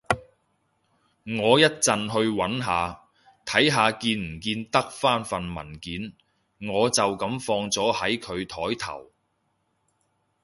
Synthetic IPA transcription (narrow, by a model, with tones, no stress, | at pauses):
ŋɔː˨˧jɐ˥t̚t͡sɐ˨nɦɵ˧ɥwɐ˨˥nɦaː˨˧ | t̪ʰɐ˨˥jɦaː˨˧kiː˧nm̩˨˩kiː˧nt̪ɐ˥k̚faː˥nfɐ˨nmɐ̰˨˩nkiː˨˥n | ŋɔː˨˧t͡sɐ˨wkɐ˨˥mfɔː˧ŋt͡sɔː˨˥hɐ˨˥jkʰɵ˨˧ɥt̪ʰɔː˨˥jt̪ʰɐ̰˨˩w